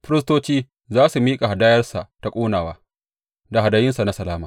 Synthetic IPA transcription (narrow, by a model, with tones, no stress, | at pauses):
ɸɪ˦ɾɪ˦stoː˦t͡ʃiː˦ | zaː˦su˨miː˦kʼa˨ha˨daː˦jɐ˦rsa̰˨ta˨kʷʼoː˦naː˨waː˦ | da˨ɦa˨daː˨jɪ˦nsa˨na˦sɐ˨laː˦maː˨